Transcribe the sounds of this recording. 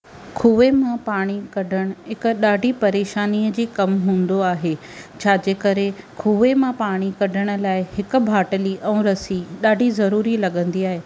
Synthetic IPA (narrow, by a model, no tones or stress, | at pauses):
kʰuːʋemãpaːɽ̃ikɐɖʱəɽ̃ʊ̆ɦɪkʊ̆ɗaːɖʱipɐɾeːʃaːniːəd͡ʑiːkɐmɦũːn̆d̪oaːɦeː | t͡ɕʰaːd͡ʑeːkɐɾekʰuːʋemãpaːɽ̃ikɐɖʱəɽ̃ʊ̆laːɪhɪkʊ̆bʱaːʈəliʔɛ̃ːɾɐsiɗaːɖʱizɐɾuːɾilɐɠə̃nd̪iaːɦeː